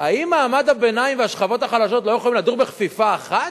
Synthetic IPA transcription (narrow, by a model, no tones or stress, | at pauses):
aimmːaːmad̪abe̞naimveaʃχavo̞t̪aχalaʃo̞t̪̬lojeχolimlad̪uʁbeχfifaːχat̪